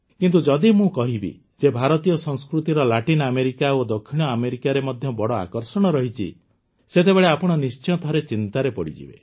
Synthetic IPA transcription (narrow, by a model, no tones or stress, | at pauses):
kint̪ud͡ʒɔd̪imũkɔɦibḭ | d͡ʒebʱaɾɔt̪ijɔsɔ̃ŋskɾut̪iɾɔlaʈinɔameɾikaod̪okʰːiɽ̃ɔameɾikaɾemɔd̪ʱjɔbɔɽɔa̰kɔɾsɔɽ̃ɔɾɔɦit͡ʃʰḭ | set̪ebeɭeapɔɽ̃ɔnist͡ʃɔt̪ʰɔɾet͡ʃint̪aɾepɔɽḭd͡ʒḭbḛ